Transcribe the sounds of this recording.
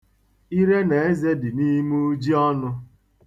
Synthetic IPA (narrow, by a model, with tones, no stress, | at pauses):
i˦ɾe˦ne˨e˦ze˦dɪ˨ni˦mu˦u˦d͡ʒi˦ɔ˦nʊ˦